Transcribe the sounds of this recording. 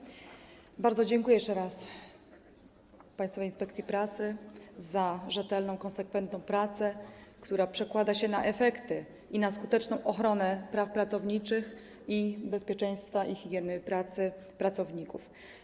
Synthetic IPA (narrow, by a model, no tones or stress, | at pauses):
baɾd̪zɔd͡ʑɛŋkujɛjɛʂt͡ʂɛɾas | paj̃st̪fɔvajinspɛk̚t̪sʲipɾat̪sɘzaʐɛt̪ɛlnɔ̃w̃kɔnsɛkfɛnt̪nɔ̃w̃pɾat̪sɛkt̪uɾapʂɛkwad̪aɕɛnaʔɛfɛkt̪ɘ | ʔinaskut̪ɛt͡ʂnɔ̃w̃ʔɔxɾɔnɛpɾafpɾat̪sɔvɲit͡ʂɘx | ibɛspʲjɛt͡ʂɛj̃st̪faʔixʲiɡʲjɛnɘpɾat̪sɘ | pɾat̪sɔvɲikuf